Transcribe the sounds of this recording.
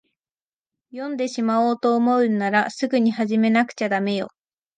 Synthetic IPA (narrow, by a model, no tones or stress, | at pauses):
jõ̞nd̪e̞ɕimaoːt̪o̞ːmo̞ɯ̟naɾasɨɡɯ̟ɲ̟ihaʑime̞nakɯ̟̥t͡ɕad̪ame̞jo̞̰